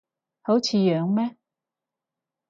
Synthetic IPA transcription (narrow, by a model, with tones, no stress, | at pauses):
ho˨˥wt͡sʰiː˨˧˦jœː˨˧ŋmɛː˦˥